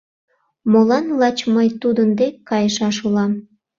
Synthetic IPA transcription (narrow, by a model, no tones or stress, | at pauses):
molɑnlɑt͡ɕməjt̪ud̪ənd̪ekʲkːɑjəʃɑʃulɑm